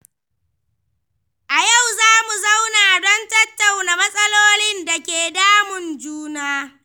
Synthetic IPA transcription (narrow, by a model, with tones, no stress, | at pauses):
ʔa˨ja˦˨wzaː˦mu˨za˦wnaː˨ʔa˨dɔ˦ntɐ˦tːa˨wna˨mɐ˦sʼɐ˦loː˦lɪ˦nda˨kʲeː˨daː˦mʊ˨nd͡ʒuː˦naː˦